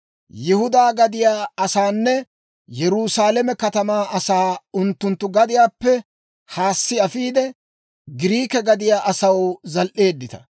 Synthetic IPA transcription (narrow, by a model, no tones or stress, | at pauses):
jɪhʊd̪aːɡɐd̪ɪjaːɐsaːnːɛ | jɛɾuːsaːlɛmɛkɐt̪ɐmaːʔɐsaːʊnt̪ːʊnt̪ːʊɡɐd̪ɪjaːpːɛ | haːsːɪɐfiːd̪ɛ | ɡɪɾiːkɛɡɐd̪ɪjaːʔɐsɐwzɐlʔe̞ːd̪ːɪt̪ɐ̥